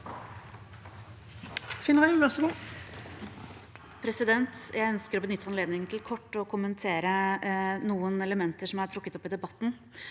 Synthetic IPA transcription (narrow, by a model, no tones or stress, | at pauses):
t̪ʰʋɪnʁæɪʋæʁsəɡuː | pʰɾɛsɪd̪ɛnt̪jʔæɪœnskəɾoːbənʏt̪ʰːəɑnleːd̪nɪŋənt̪ʰɪlkʰɔʈːəɔkʰʊmənt̪ʰeːɾənuːənɛləmɛnt̪əʂɔmjææʈʰɾʊkːət̪ɔpːɪd̪ɛbɑt̪ːn̩